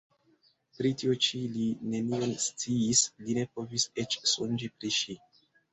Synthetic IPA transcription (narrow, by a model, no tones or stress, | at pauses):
pɾitiot͡ʃiline̞nionst͡siːsline̞po̞vise̞t͡ʃsund͡ʒipɾiʃi